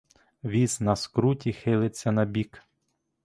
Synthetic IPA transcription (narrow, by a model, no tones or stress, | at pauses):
ʋʲiznɐskɾutʲixɪlˠɪt͡sʲːɐnɐbʲik